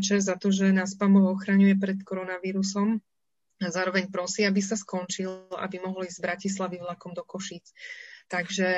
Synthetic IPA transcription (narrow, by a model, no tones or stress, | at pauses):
t͡ʃɛɾzat̪ɔʒɛnaspamɔʊɔxɾaɲujɛp̬ɾɛt̪kɔɾɔnaʋiːɾusɔm | azaːɾɔʋɛɲpɾɔsiːabisaskɔnt͡ʃila̰bimɔɦɔliːzzbɾacis̬laʋivlakɔmd̪ɔkɔʃiːt͡st̪aɡʒɛ